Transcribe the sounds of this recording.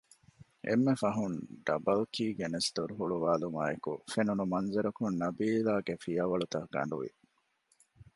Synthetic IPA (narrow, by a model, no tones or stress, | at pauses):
ʔḛmːefɐɦunɖɐ̰bɐlkiːɡenest̪uɾɦuɭuʋaːlumaːekṵfenunumɐnzɐɾɐkunnɐbiːlaːɡefijɐʋɐɭut̪ɐɡɐ̰ɳɖuʋḭ